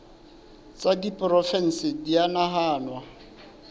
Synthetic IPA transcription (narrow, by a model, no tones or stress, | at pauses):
t͡sʼadipʼrɔfɛn̩sɪdianaɦaːnwa